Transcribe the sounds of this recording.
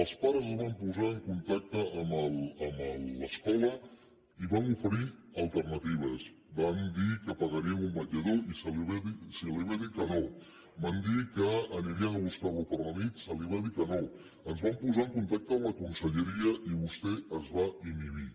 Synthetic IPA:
əlˠspaɾəzəzβampuzaəŋkunt̪ak̚t̪əʔːmələmələskɔlə | iβamufəɾiəlˠt̪ərnət̪iβ̞əs | band̪ikəpəɣəɾiəmumbəd͡ʒəðoisəliβðisiliβaðikəno | band̪ikəːniɾiənəɣust̪aβupərlənit̪səliβaðikəno | ənzβampuzaəŋkunt̪ak̚t̪əːmləkunsəʎəɾiəʔiβust̪ɛəzβaimiði

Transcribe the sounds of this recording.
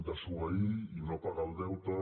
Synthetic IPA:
d̪əsuaiinopaɣalˠd̪ɛwt̪ə

